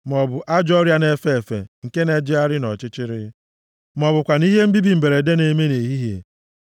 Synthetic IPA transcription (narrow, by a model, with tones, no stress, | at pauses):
mɔ˨bʊ˨ʔa˦d͡ʒɔ˦ɾja˦ne˨fe˦e˨fḛ˨ŋ̩˨ke˦ne˨d͡ʒɪ˦a˦ɾɪ˦nɔ˨t͡ʃɪ˦t͡ʃɪ˦ɾɪ˦ | mɔ˨bʊ˨kʷa˨ni˦ɦe˦m̩˦bi˦bi˨m̩˨be˨ɾe˨de˦ne˨me˦ne˨ɦi˦ɦjḛ˨